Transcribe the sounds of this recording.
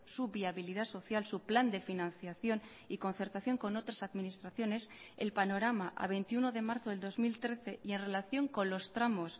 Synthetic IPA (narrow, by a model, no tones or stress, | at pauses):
suβiaβilið̞aso̞θjalsupland̪e̞finãnθjaθjo̞n | iko̞nθeɾt̪aθjo̞ŋko̞no̞t̪ɾasaðminist̪ɾaθjo̞ne̞s | elpano̞ɾamaʔa̰βe̞jnt̪iuno̞ðe̞maɾθoðeld̪ozmilt̪ɾe̞θe̞ie̞nre̞laθjo̞ŋko̞nlo̞st̪ɾamos